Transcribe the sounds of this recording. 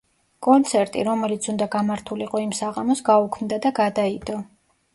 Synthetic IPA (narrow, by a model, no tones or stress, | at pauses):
kʼɔnt̪sʰɛɾt̪ʼḭɾɔmɛlit̪sʰund̪aɡamaɾt̪ʰuliqʼɔimsaʁamɔsɡaukʰmd̪ad̪aɡad̪aid̪ɔ